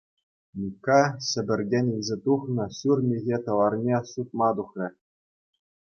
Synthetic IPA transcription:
mʲikːɑɕɘ̆bʲɘ̆rʲɡʲenʲilʲzʲet̪uχnɤ̆ɕurmʲiɣʲet̪ɤ̆lˠɑrnʲesut̪̚mɑd̪uχrʲɘ̆

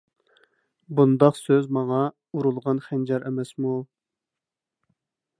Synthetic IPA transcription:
bund̪ɑqsøzmɑŋɑ | uɾulˠʁɑnχænd͡ʒɑɾʔɛmɛsmu

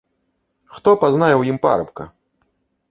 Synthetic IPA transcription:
xt̪ɔpaznajɛwjimpa̰ɾɐpkɐ

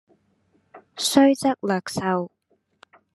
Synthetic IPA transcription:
ɕʷaɥt͡sʼakʼlakʰsaw

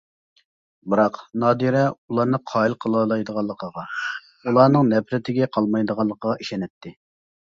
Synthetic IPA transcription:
bɨɾɑqnɑːd̪iɾɛulˠɑɾnɨqʰɑːilˠqʰəlˠɑlˠɑjd̪əʁɑlˠːəqʰəʁɑ | ulˠɑɾnɨŋnɛpʰɾɪt̪ʰɪɡʲɛqʰɑlˠmɑjd̪əʁɑlˠːəqʰəʁɑiʃɛnɛt̪ʰːɪ

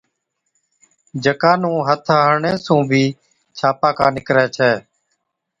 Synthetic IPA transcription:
d͡ʒəkãːnũːɦət̪ʰaːɦəɳẽːsũːbʱiː | t͡ʃʰaːpaːkaːnɪkɾɛːt͡ʃʰɛː

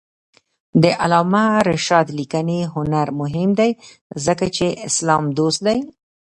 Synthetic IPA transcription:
d̪əʔalɑmaɾɪʃɑd̪likəneɦʊnaɾmʊɦɪmd̪aj | zəkat͡ʃeʔɪslɑmd̪ost̪̚d̪aj

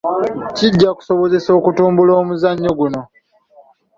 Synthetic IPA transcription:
ciɟːaku̥soβo̞zeso̞ːkutuːmbulo̞ːmuzaɲːo̞ɡuno̞

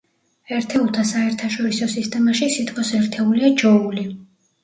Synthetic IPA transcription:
ɛɾt̪ʰɛulˠt̪ʰasaɛɾt̪ʰaʃɔɾisɔsist̪ʼɛmaʃisit̪ʼqʼɔsɛɾt̪ʰɛuliad͡ʒɔuli

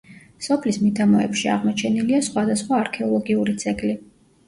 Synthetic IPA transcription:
sɔpʰlismid̪ʰamɔɛ̰pʃia̰ʁmɔt͡ʃʰɛniliasχwad̪asχwaːɾkʰɛɔlˠɔɡiuɾit̪sʰɛkʼli

